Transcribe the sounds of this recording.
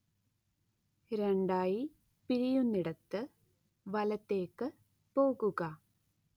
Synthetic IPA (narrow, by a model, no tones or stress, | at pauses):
ɾeɳɖaːji | piɾijunːiɽɐt̪ːɨ | ʋɐlɐt̪ːe̞ːkːɨ | po̞ːɣuɣɐ